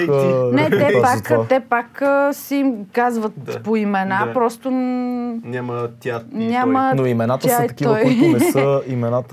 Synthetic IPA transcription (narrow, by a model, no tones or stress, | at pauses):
nɛt̪ɛpaktat̪ɛpakəsɛimkazvət̪poimɛnapɾɔst̪o | nʲamət̪ʲanʲamənoimɛnat̪əsaɛt̪ɐkʲiɔjionɛsəimɛnat̪ə